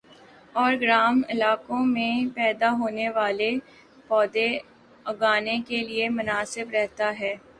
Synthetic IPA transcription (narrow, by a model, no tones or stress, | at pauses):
ɔːɾɡɾaːmɪlaːkõmẽpɛːd̪aɦoːneʋaːle | pɔːd̪e | ɐɡaːnekeliemʊnaːsɪbɾɛɦt̪aɦɛː